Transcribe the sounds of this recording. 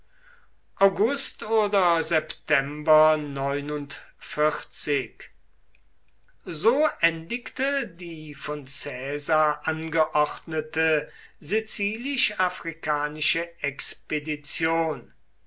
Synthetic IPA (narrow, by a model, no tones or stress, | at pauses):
ʔaʊɡʊstoːdɐzɛptʰɛmbɐnɔʏnʊntfɪχt͡sɪk | zoːʔɛndɪktədiːfɔnt͡sɛːzaːʔanɡəʔɔχtnətəzet͡siːlɪʃafʁikaːnɪʃəɛkspedit͡sjoːn